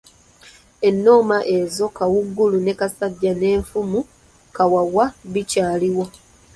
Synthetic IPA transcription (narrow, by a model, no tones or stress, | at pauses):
e̞nːo̞ːmaʔe̞zo̞kawuɡːulune̞kasaɟːane̞ːɱfumu | kawawaβicaːliwo